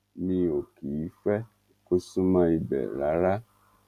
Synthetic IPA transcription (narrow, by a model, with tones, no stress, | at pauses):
nĩ˦o˨ki˨ji˨˦fɛ˦ | ko˦sũ˦mã˦i˧bɛ̰˨ɾa˨˦ɾa˦